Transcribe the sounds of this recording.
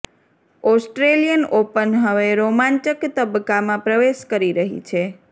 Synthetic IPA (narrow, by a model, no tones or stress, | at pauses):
ɔsʈɾelijənopənɦəʋeɾomãɲt͡ʃəkt̪əbəkːamãpɾəʋeʃkəɾiɾəɦḭt͡ʃʰe